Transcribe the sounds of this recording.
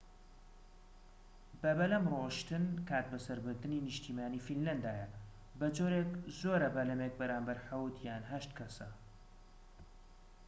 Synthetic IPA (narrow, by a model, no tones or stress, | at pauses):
bɐbɐlɐmroːʃt̪ɨnkʰaːt̪̚bɐsɐɾbɨɾd̪ɨniːnɨʃt̪ʰiːmaːniːfinlɐnd̪aːjɐ | bɐd͡ʒoːɾeːkzoːɾɐbɐlɐmek̚bɐɾaːmbɐɾħawt̪jaːnɦɐʃt̪kʰɐsɐ